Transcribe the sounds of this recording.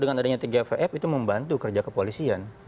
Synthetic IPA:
dəŋanadaɲat̪iɡafeʔɛpit̪uməmbant̪ukərd͡ʒakəpolisian

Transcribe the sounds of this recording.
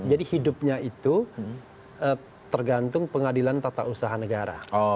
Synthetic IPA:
d͡ʒadihidʊp̚ɲait̪u | ə | t̪ərɡant̪ʊŋpəŋadilant̪at̪a̰ʔusaɦanəɡaɾa̰ɔ

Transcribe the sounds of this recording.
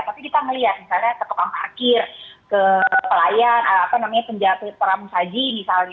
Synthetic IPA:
t̪apikit̪aŋəliat̪̚misalɲak̪ət̪okaŋpəakɪrkəpəlajanaapanamaɲapəɲd͡ʒasəp̪əɾamusad͡ʒimisalɲa

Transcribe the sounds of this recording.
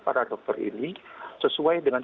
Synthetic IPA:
pa̰ɾadɔk̚t̪ərḭnisəsuajdəŋan

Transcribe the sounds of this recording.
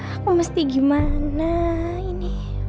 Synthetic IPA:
komast̪iɡɪmana | ini

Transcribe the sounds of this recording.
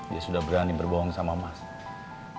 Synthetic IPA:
diasudahbəɾanibərbɔɦɔŋsamamas

